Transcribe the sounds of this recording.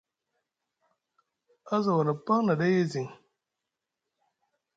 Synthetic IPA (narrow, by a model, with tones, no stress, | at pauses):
a˦za˨wa˨na˨pa˦ŋna˨da˦je˦zi˨ŋ